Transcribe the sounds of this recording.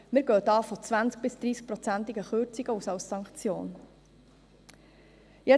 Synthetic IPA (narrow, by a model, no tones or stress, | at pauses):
mɪɾɡœːt̪ɑːfot͡sʋænt͡sk̚b̥ɪsd̪̥ɾiːsk̚pɾɔt͡sænt̪ɪɡəχøɾt͡siɡ̥əusɑlssɑŋkt͡sjo̰ːn | jɛ